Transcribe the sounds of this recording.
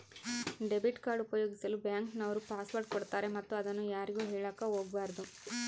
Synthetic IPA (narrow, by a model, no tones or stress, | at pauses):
ɖe̞biʈkaːɾɖupɐjo̞ːɡisɐlubjaːŋknɐʋɐɾupaːsʋɐɾɖkɔɽt̪aːɾe̞mɐt̪ːuɐd̪ɐnːujaːɾiɡuːɦɛːɭaːkaɦoːɡbaːɾɐd̪u